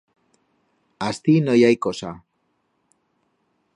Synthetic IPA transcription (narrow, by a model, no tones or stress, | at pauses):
ast̪inojajkosa